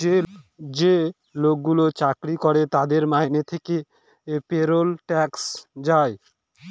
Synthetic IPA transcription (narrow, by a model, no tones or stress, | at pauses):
d͡ʑe | lok̚ɡulot͡ɕakɾikoɾet̪ad̪eɾmajnet̪ʰeke | peɾolʈɛksd͡ʑae